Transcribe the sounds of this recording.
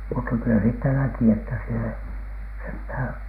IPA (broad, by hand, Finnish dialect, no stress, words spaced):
mutːɑ kylæ siːtːæ næki etːæ siel ei senthæˑn̥